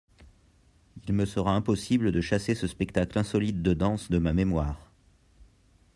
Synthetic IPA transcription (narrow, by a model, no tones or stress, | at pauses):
ilməsəʁaɛ̃pɔsibləd̪əʃasesəspɛkt̪aklɛ̃sɔlit̪̚d̪əd̪ɑ̃sd̪əmamemwaːʁ